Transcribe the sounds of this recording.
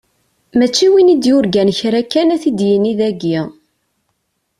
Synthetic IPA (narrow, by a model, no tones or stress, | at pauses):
mæt͡ʃːiwinid̪jʊɾɡænçɾækːænæθid̪jəniðæɡi